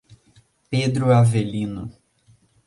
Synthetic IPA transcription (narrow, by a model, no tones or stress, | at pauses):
ped̪ɾʊavelĩnʊ